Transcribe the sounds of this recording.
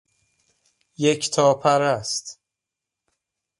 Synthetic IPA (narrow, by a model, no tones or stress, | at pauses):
jecʰt̪ʰɒːpʰæɾæst̪